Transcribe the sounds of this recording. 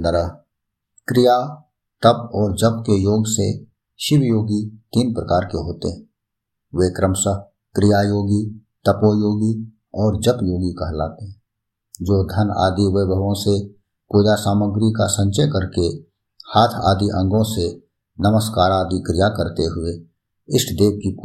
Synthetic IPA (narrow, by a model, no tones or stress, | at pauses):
d̪əɾəɦ | kɾɪja | t̪əbɔːɾd͡ʒəbkejoːɡse | ʃɪʋjoːɡit̪iːnpɾəkaːɾkeɦoːt̪eɦɛ | ʋeːkɾəmsəɦ | kɾɪjajoːɡit̪əpoːjoːɡi | ɔːɾd͡ʒəpjoːɡikɐɦla̰ːt̪eɦɛ | d͡ʒoːd̪ʱəna̰ːd̪iʋebəʋõse | koːd̪asaːməɡɾikasə̃ɲt͡ʃəjkəɾke | haːt̪ʰa̰ːd̪iʔə̃ŋɡõse | nəməskaːɾaːd̪ikɾɪjakəɾt̪eɦʊe | ɪsʈd̪eːb̚ki